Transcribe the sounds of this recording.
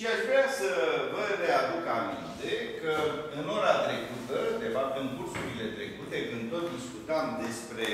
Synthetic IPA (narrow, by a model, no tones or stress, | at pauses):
ʃiaʃvɾeasəvəɾe̞ad̪ukamḭnt̪e̞kəɨno̞ɾat̪ɾe̞kut̪əd̪e̞fap̚t̪ɨŋkursuɾile̞t̪ɾe̞kut̪e̞kɨnd̪̚t̪o̞t̪̚d̪iskut̪amd̪e̞spɾe̞